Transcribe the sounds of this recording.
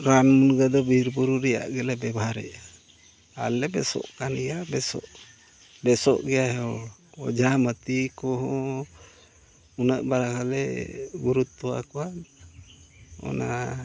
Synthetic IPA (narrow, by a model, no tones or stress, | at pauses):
ɾanmunɡad̪ɔbiɾpuɾuɾɛja̰ʔɡɛlɛbɛbɦaɾɛ̰ʔ | alɛbɛsɔ̰ʔkanɡɛjabɛsɔ̰ʔ | bɛsɔʔɡɛjaɦɔɔd͡ʒamət̪ikɔɦɔ̃ | unəʔbaɾakalɛɡuɾut̪ːɔwa̰kɔwa | ɔ̰na